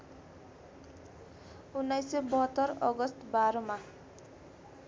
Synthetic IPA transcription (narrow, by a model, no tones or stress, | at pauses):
unːajsebʌɦʌt̪ːʌrʌɡʌst̪baɾʌma